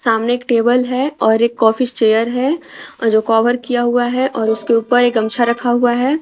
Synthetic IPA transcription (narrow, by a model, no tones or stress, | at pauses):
saːmneeːkʈeːbəlɦɛɔːɾeːkːɔːfɪst͡ʃeːjəɾɦɛd͡ʒoːkɔːʋəɾkijaɦuaɦɛʔɔːɾʊskeuːpəɾekɡɐmt͡ʃʰaɾɐkʰaɦuaɦɛː